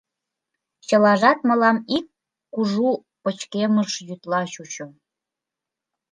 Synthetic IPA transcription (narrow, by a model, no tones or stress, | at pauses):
t͡ɕəlɑʒɑt̪mə̆lɑmikː | uʒu | pət͡ɕkeməʃjyt̪lɑʃut͡ɕo